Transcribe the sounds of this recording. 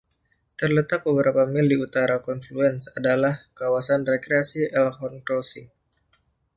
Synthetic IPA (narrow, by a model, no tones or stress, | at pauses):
t̪ərlət̪ak̚bəbəɾapamildiut̪aɾakɔnfluɛnsadalahkawasanrekɾeasiʔɛlhɔnkɾɔsɪŋ